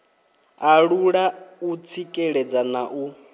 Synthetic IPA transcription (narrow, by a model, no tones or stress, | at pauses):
aɺuɺaut͡sʰikʼɛɺɛd͡zanaʔu